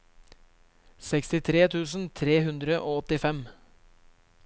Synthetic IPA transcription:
sɛkst̪ɪt̪ʰɾeːt̪ʰʉːsn̩t̪ʰɾeːhʉnd̪ɾəʔoːɔt̪ɪfɛm

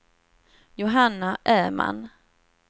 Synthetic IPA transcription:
jʊɦanːaʔæːma̰n

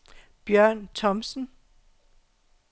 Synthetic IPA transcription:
b̥jɶɐ̰nt͡sʰɒ̽msn̩

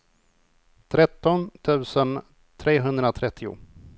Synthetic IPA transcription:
t̪ʰɾɛt̪ːɔnt̪ʰʉ̟ːsən | t̪ʰɾeːɦɵnd̪ɾat̪ʰɾɛt̪ʰːɪʊ̰

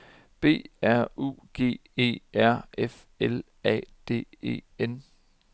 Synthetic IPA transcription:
b̥e̝̰ːæɐ̰ṵːɡ̥e̝̰ːe̝̰ːæɐ̰ef | el | ɛ̰ːd̥e̝̰ːe̝̰ːen

